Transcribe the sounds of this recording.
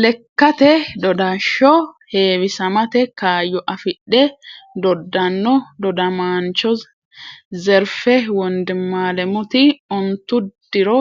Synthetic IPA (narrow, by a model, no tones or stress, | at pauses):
lɛkːɐt̪ɛd̪ɔd̪aʃːɔheːwɪsɐmɐt̪ɛkaːjɔʔɐfɪɗːɛd̪ɔd̪ːɐnːɔd̪ɔd̪ɐmaːnt͡ʃɔ | zɛɾfɛwɔnd̪ɪmːaːlɛmʊt̪ɪɔnt̪ːʊd̪̥ɪɾɔ